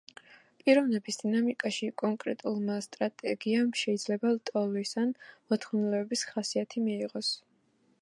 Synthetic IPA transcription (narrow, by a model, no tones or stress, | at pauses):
pʼiɾɔvnɛbisd̪inamikʼaʃikʼɔŋkʼɾɛt̪ʼulˠmast̪ʼɾat̪ʼɛɡiamʃɛid̪zlɛbat̪ʼɔlisanmɔt̪ʰχɔnɛlɛbɛbisχasiat̪ʰimiiʁʼɔs